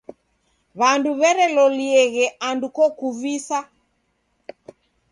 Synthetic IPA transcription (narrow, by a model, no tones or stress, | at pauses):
βanduβɛɾɛlɔliɛɣɛʔandukɔkuvisa